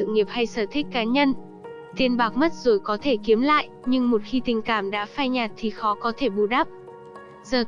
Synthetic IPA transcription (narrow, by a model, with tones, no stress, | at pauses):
ɨ̰˧˨ŋi˨˩əp̚ha˧jsəː˧˩t̪ʰï˦˥k̟̚kːaː˨˦ɲə˧n | t̪i˧ənɓaː˨˩k̚mə˦˥t̚zo˧˩jkɔ˨˦t̪ʰe˧˩ki˨˦əmla̰ː˧˨jʔɲɨ˧ŋmo˨˩t̚xi˧t̪ï˨˩ŋ̟kaː˧˩mɗa̰ː˧˥faː˧jɲaː˨˩t̚t̪ʰi˨˩xɔ˨˦kɔ˨˦t̪ʰe˧˩ɓu˨˩ɗa˦˥p̚ | zəː˨˩